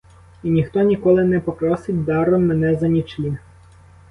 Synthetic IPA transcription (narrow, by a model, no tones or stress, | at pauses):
inʲixt̪ɔnʲikɔlˠɪnɛpɔpɾɔsɪt̚ʲd̪ɑɾɔmːɛnɛzɐnʲit͡ʃlʲi